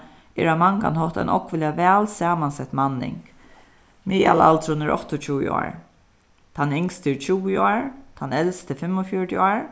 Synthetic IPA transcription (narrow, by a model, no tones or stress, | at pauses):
ɛ̰ɾamaŋka̰nɦɔht̪a̰jnʔɔkvɪljavɛːlsaːmansɛht̪manːɪ̰ŋk | miːa̰la̰lt̪ʰɾʊnɛɹʔɔ̰ht̪ɔt͡ʃʰuwɪ̰ɔ̰ːɹ | t̪ʰanɪŋst̪ɪɹt͡ʃʰuːwɪɔːɹt̪ʰanːɛlst̪ʰɪfɪmːɔfjɔɹʈ̪ɪaːɹ